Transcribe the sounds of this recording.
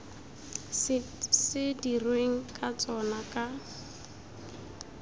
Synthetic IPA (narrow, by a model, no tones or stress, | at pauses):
sɪdirweŋ̩kʼat͡sʼɔnakʼa